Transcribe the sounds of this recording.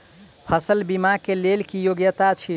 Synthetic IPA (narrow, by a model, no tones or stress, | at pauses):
pʰəsəlbimakelelkijoɡjət̪at͡ʃʰi